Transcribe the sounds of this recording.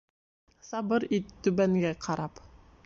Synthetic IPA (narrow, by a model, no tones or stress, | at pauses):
sɑbɤɾit̪ːɵβæŋɡæqʰɑɾɑp